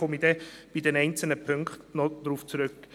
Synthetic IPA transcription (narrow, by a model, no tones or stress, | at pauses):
ɔmidɛb̥idɛnɛɪnt͡sl̩nəpʰʏŋkχtnɔd̥ɾuːft͡suɾʏk